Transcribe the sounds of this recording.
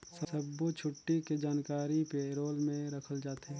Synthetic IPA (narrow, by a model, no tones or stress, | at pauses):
sɐsəbːot͡ʃʰʊʈːiked͡ʒaːnkaːɾipeɾoːlmẽɾɐkʰəld͡ʒaːt̪e